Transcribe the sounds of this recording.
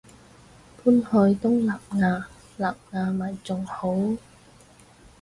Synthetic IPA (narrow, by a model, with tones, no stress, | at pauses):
pʰuː˥nhɔː˧jt̪ʊ˥ŋlaː˨p̚ŋaː˧ | laː˨p̚ŋaː˨˧mɐ˨˩jt͡sʊ˨˩ŋho˨˥w